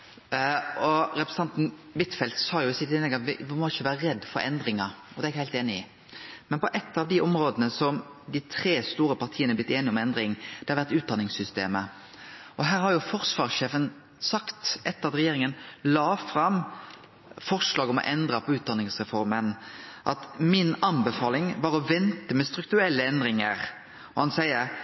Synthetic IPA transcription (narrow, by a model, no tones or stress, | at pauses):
ɔɾɛpɾɛst̪ɑnt̪n̩bɪt̪fɛlt̪sɑːjʊɪsɪt̪ːɪnɛɡɑt̪ʋɪʋɪmɔɪçəʋæːɾəɾɛd̪ːfɔɾɛ̰nd̪ɾɪŋɑɔd̪ɛːɛɡhæɪlt̪eːnɪɪ | mɛnpɔʔɛt̪ːɑʋd̪ɪʔɔmɾoːd̪ənəsɔm | d̪ɪt̪ʰɾeːst̪uːɾəpɑʁt̪ʰiːənɛblɪt̪ːeːnɪɔmɛnd̪ɾɪŋd̪̥ɛhɑɾʋæʁt̪ʉːt̪̚d̪ɑnɪŋsʏst̪eːmə | ʔɔɦæːɾhɑɾjʊfɔʁsʋɑːʁseːfən | sɑkt̪ʔɛt̪ːəɾɑt̪ɾɛjeːɾɪŋənlɑːfɾɑm | fɔʁʂlɑːɡɔmɔ̰ʔɛnd̪ɾɑpʰɔʉːt̪̚d̪ɑnɪŋsʁɛfɔɾmənʔɑt̪mɪnɑnbɛfɑːlɪŋʋɑɾɔʋɛnt̪əmɛst̪ɾʉkt̪ʉɛlːəɛnd̪ɾɪŋəɾ | ɔhɑnsæɪə